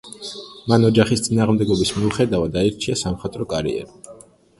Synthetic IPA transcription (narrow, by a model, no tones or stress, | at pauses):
manɔd͡ʒaχist̪sʼinaːʁmd̪ɛɡɔbismiuχɛd̪avad̪aiɾt͡ʃʰiasamχat̪ʼɾɔkʼaɾḭɛ̰ɾi